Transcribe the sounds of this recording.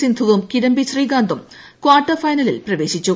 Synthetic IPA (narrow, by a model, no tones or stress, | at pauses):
sind̪ʱuʋumkiɾɐmbiɕriːɡaːnd̪ʱɐm | kʋaːrʈːɐfɐjnɐlḭlprɐʋe̞ːɕit͡ɕːu